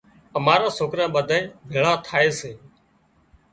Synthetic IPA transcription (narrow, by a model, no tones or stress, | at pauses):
əmaːɾaːsoːkɾãːɓəd̪ʱaẽːbʱɪɭaːt̪ʰaːeːseː